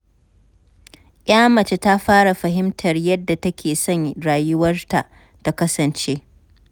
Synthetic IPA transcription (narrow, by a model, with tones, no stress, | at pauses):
ʔʲaː˦mɐ˨t͡ʃe˦ta˦ɸaː˦ɽa˨ɸɐ˨ɦɪ˦mtʰɐ˨rjɐ˦dːa˨tɐ˦kʲʰeː˨sɔ˦˨ŋɽaː˨jʊ˦wɐ˦rta˨ʔ | ta˦kɐ˦sɐ˨nt͡ʃe˦